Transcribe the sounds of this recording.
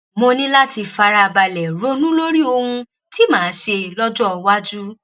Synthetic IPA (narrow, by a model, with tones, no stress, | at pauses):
mo˧nĩ˦la˦ti˧fa˧ɾa˧˨ba˧lɛ˨ɾo˦nũ˦lo˦ɾi˦o˧hũ˧ | ti˦mãː˨˦ʃe˧lɔ˦d͡ʒɔ˦˨˧wa˦d͡ʒu˦